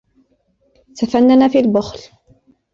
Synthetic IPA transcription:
t̪afanːanaːfiːlbʊxl

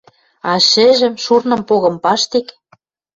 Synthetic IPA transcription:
ɑʃɘ̆ʒɘ̆mʃurnɤ̆mpoɣɤ̆mpɑʃt̪ek

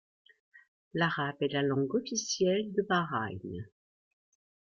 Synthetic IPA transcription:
laʁabɛlalɑ̃ɡɔfisjɛld̪əbaʁajn

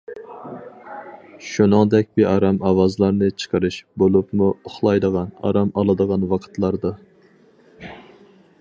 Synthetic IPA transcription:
ʃunɨŋd̪ɛk̚ʲbɪʔɑɾɑmɑwɑzlˠɑɾnɨt͡ʃʰə̥qʰəɾɨʃbolˠupmuʊχlˠɑjd̪əʁɑnɑ̰ɾɑmɑlˠɨd̪əʁɑnwɑqʰə̥t̪lˠɑɾd̪ɑ

